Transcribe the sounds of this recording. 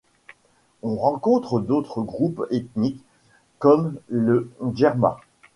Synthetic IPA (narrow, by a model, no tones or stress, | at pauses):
ɔ̃ʁɑ̃kɔ̃t̪χəd̪ot̪χəɡʁupet̪nikː | ɔmləʒɛʁmã̰